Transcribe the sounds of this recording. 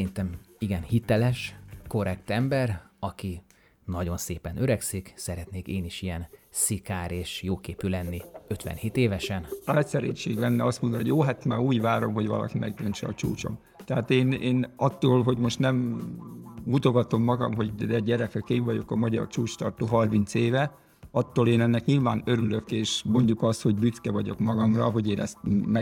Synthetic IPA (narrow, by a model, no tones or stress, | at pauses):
int̪ɛmiɡɛnhit̪ɛlɛʃko̞rɛkt̪ɛmbɛrɒki | nɒɟo̞nseːpɛnøɾɛksiksɛɾɛt̪neːkeːniʃijɛnsikaːɾeːʃjoːkeːpylɛnːiø̞t̪ʋɛ̰nheːt̪eːvɛʃɛnɛtʲsɛɾḛːɲt͡ʃeːɡlɛnːɛɒst̪mond̪oojoːɦat̪maːuːɟvaːɾo̞mɦo̞ɟvɒ̰lɒ̰kimɛɡb̪ønt͡ʃɛɒt͡ʃuːt͡ʃo̞̰m | t̪ɛɦaːt̪eːneːnɒt̪ːoːlɦo̞ɟmo̞ʃt̪nɛm | ɡut̪oɡɒt̪o̞mːɒɡɒ̰mɦo̞ɟd̪ɛɟɛɾɛkɛkeːɱvɒɟo̞kɒmɒɟɒ̰rt͡ʃuːt͡ʃt̪ɒrt̪oːɦɒrmint̪seːvɛ | ɒt̪ːoːleːnɛnːɛkɲilvaːnøɾylø̞keːʃmo̞ɲɟukɒst̪ho̞ɟbyt̪kɛvɒɟo̞kmɒɡɒmrɒ̰ɦo̞ɟeːnʔɛst̪mɛ